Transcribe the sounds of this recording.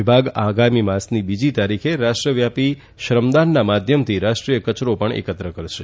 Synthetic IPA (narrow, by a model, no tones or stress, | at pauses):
ibʱaɡaɡamimãsnibid͡ʒit̪aɾikʰeɾaʃʈɾəʋjapi | ʃɾəmd̪anːamad̪ʱjəmt̪ʰiɾaʃʈɾijəkət͡ʃɾopəɳḛkət̪ɾəkəɾʃe